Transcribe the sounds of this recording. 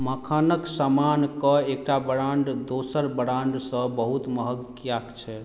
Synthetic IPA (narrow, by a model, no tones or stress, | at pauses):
məkʰanəksamankəekʈabəɾaɳɖd̪osəɾbəɾaɳɖsə̃bəɦut̪məɦəɡkijakt͡ʃʰɛ